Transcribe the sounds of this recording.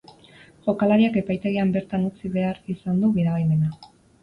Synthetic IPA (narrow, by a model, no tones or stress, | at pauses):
ʝo̞kalaɾiake̞pajt̪e̞ɣ̞iambe̞ɾt̪anut͡siβe̞aɾisand̪uɣiɾaɣime̞na